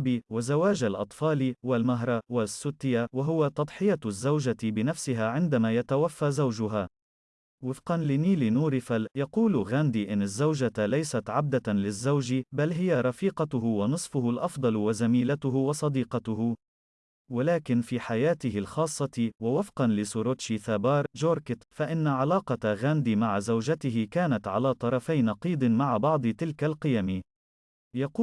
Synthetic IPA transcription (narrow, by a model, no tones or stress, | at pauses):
biwazawaːd͡ʒalʔɑt̪ˤfɑːliwalmaɦɾˤɑwasːʊt̪ːɪjawaɦʊwat̪ɑd̪ˤħɪjazːawʒabɪnafsɪɦaːʕɪnd̪amaːjat̪awafːazawʒʊɦaː | wɪfqɑnlɪniːlɪnuːɾɪfaljɑquːlɣand̪iːʔɪnːazːawʒalajsat̪ʕab̚d̪alɪzːawʒibalɦɪjaɾˤɑfiːqɑt̪ʊɦʊwɑnɨsˤfʊɦʊlʔɑfd̪ˤɑlwazamiːlat̪ʊɦʊwɑsˤɑd̪iːqɑt̪ʊhʊ | walaːkɪnfiːħajaːt̪ɪhɪlxɑːsˤːɑt̪wawɑfqɑnlɪsʊɾot̪ʃiθabɑːɾˤd͡ʒoːɾkɪt̪faʔɪnːaʕalɑːqɑɣaːnd̪iːmaʕazawd͡ʒat̪ɪɦɪkaːnat̪ʕa̰laːt̪ˤɑɾˤɑfajnɑqiːd̪ˤɨmaʕabɑʕd̪ˤɨt̪ɪlkalqɪjamɪ | jɑquː